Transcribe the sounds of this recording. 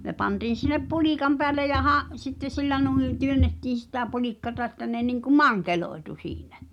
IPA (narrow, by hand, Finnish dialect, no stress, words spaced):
ne pɑntiːn̞ sinep puliˑkɑm peælːe jɑ hɑʔ sitːe silːæ nuĩː tyønːetːiːn̞ sitæ pulikːɑtɑ ĕtːæ ne niŋku mɑŋkeloetu siːn̥æ̥